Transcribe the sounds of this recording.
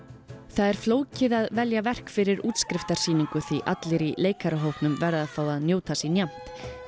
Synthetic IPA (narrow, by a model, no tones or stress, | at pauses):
θaðɛɾ̥floːwcɪðaðvɛljavɛr̥kfɪɾɪɾuːt̪skɾɪft̪aɾ̥siːniŋkʏθviʔat̪lɪɾileːjkaɾaɦowpnʏmvɛɾðaðθawaðnjoːwt̪ʰasinjam̥t̪